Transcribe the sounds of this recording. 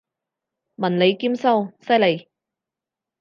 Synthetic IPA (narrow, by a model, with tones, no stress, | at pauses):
mɐ˨˩nle˨˧jki˥msɐ˥wsɐ˥jle˨˧j